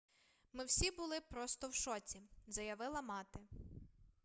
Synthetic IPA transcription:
mɪwsʲibʊlˠɪpɾɔst̪ɔwʃɔt͡sʲizɐjɐʋɪlˠɐmɑt̪ɪ

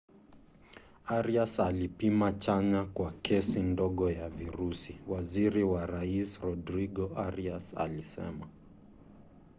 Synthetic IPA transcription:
aɾiasalipimat͡ʃaɲakwakʰɛsindɔɠɔjaviɾusiwaziɾiwaɾaisɾɔdɾiɠɔaɾiasa̰lisɛ̰ma

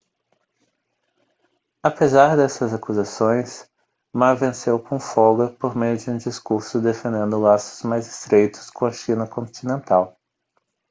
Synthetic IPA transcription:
apezaɾd̪ɛsɐzakuzasõj̃s | maɾvẽsewkõfɔɡɐpoɾmejʊd͡ʒɪũd͡ʒiskuɾsʊd̪efẽnd̪ẽnd̪ʊlasʊ̥z̥majzɪ̥st̪ɾejt̪ʊ̥skõɐʃĩnɐkõt͡ʃ̪inẽnt̪aw

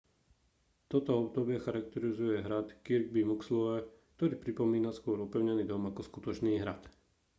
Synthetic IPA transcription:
t̪ɔt̪ɔɔbd̪ɔbɪɛxaɾak̚t̪ɛɾizujɛɦɾat̪kiɾɡ̚bimukslɔɛk̚t̪ɔɾiːpɾipɔmiːnaskʊɔɾɔpɛʊɲɛniːd̪ɔmakɔskut̪ɔt͡ʃniːɦɾa̰t̪

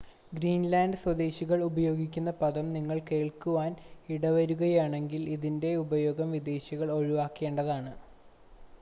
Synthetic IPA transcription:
ɡɾiːnlaːndɨswɐd̪e̞ːɕiɣɐɭubɐjo̞ːɡikʲːunːɐpɐðɐmniŋːɐɭke̞ːɭkuʋaːniɽɐʋɐɾuɣɐjaːɳe̞ŋɡiliðinde̞ubɐjo̞ːɡɐmʋid̪e̞ːɕiɣɐɭo̞ɻiʋaːkːe̞ːɳɖɐðaːɳɨ

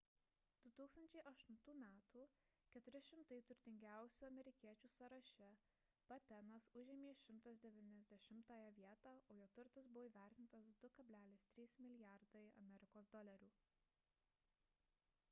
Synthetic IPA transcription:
d̪̥ʊt̪uːkst̪ɐnʲt͡ʃʲɛɪʔɐʃt̪ʊnt̪uːmʲæːt̪ʰuː | kʲɛt̪ʊɾʲɪʃʲɪmt̪ɐɪt̪ʊɾʲt̪ʲɪŋʲɡʲæˑʊsʲuːɐmʲɛɾʲɪkʲiɛt͡ʃʲuːsɐɾɐʃʲɛ | b̥ɐt̪ʲɛnɐsʊʒʲɛːmʲeːʃʲɪmt̪ɐsd̪ʲɛʋʲɪnʲɛzʲd̪ʲɛʃʲɪmt̪ɑːjɛʋʲiɛt̪ɑːoːjoːt̪ʊɾt̪ɐsbʊʋoːiːʋʲæˑɾʲt̪ʲɪnt̪ɐsd̪ʊkɐbʲlʲæːlʲeːst̪ʲɾʲiːsmʲɪlʲɪjæɾd̪ɐɪɐ̰mʲɛɾʲɪkoːsd̪ɔlʲɛɾʲuː

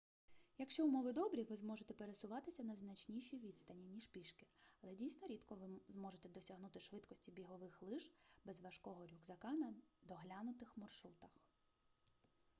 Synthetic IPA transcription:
jɐkʃt͡ʃɔʊmɔʋɪd̪ɔbɾʲiʋɪzmɔʒet̪ɛpeɾesʊʋɑt̪ɪsʲɐnɐznɐt͡ʃnʲiʃʲiʋʲid̪st̪ɐnʲinʲːiʃpʲiʃkɪɐlˠɛdʲijsʲnɔɾʲid̪kɔʋɪzmɔʒet̪ɛd̪ɔsʲɐɦnut̪ɪʃʋɪt̪kɔsʲtʲibʲiɦɔʋɪxlˠɪʒbɛzʋɐʃkɔɦɔɾʲuɡzɐkɑnɐd̪ɔɦlʲanʊt̪ɪxmɔrʃɾut̪ɐx

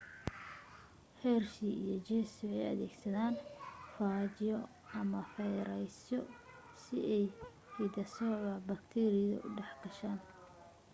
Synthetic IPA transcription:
hɛrʃiḭjɔt͡ʃɛsɪɛjɐ̰ðɛːɡsɐðaːnfaːt͡ʃɪjɔ | ɐmɐfɛjɾɛjsɔ | sɪɛj | hid̪ɐsɔːʕɐbɐkt̪ʰɛːɾɪjɔ̰ʔʊɖɛħɡʰɐʃaːn

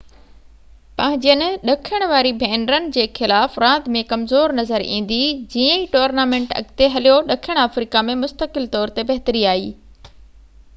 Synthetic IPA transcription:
pɐ̃ɦɪ̃ɲd͡ʑijənɪ̆ɗɐkʰjəɽ̃ʋaːɾibʱɛːnɾənɪ̆d͡ʑeːxɪlaːfɾãːd̪mẽkɐmzoːɾnɐzəɾḭ̃ːn̆d̪id͡ʑiːə̃iʈoːɾnaːmẽːɳʈɐ̰ɡt̪eɦɐlijoɗɐkʰəɽ̃aːfɾiːkamẽmʊst̪əkɪlt̪ɔːɾt̪ebɐɦt̪əɾiaːiː

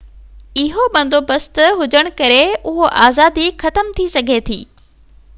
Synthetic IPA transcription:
ɪɦoɓɐ̃nd̪ʱoːbɐst̪ɦʊd͡ʑəɽ̃̆kɐɾeʊɦoʔaːzaːd̪ixɐt̪əmt̪ʰisɐɡʱet̪ʰḭː

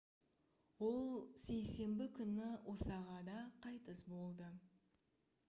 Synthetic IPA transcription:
wo̞lˠse̞jse̞mbɪkʲʰʏnɪwʔosɑʁɑd̪ɑqʰɑjt̪əsbo̞lˠd̪ə

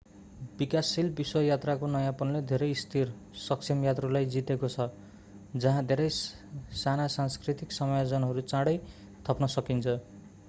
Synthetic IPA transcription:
bikasːilbiswʌjat̪rakonʌjãpʌnled̪ʱeɾʌjst̪ʰir | sʌkt͡sʰemjat̪rʌlajd͡zit̪ekot͡sʰʌ | d͡zʌɦãd̪ʱeɾʌj | sanasanskrit̪iksʌmajod͡zʌnɦʌɾut͡sãɽʌj | t̪ʰʌpnʌsʌkint͡sʰʌ

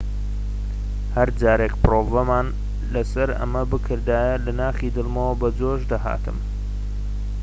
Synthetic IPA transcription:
hɐɾd͡ʒaːɾekpɨroːvɐmaːn | lɐsɐɾɐ̰mɐbɨkʰɨɾd̪aːjɐlɐnaːχiːd̪ɨlˠmɐwɐbɐd͡zoːʒd̪ɐɦa̰ːt̪ɨ̰m

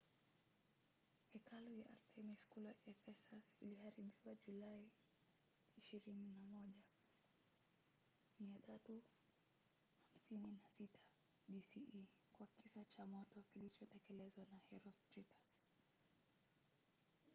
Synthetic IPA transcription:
hɛkalɔjaʔa̰ɾtʰɛmiskulaɛfɛsasḭlihaɾiɓiwad͡ʒulai | iʃiɾininamɔʄa | miatʰatu | ham̩sininasitʰḁ | ɓisii | kwakisat͡ʃamɔtɔkilit͡ʃɔtɛkɛlɛzwanahɛɾɔstɾitḁs

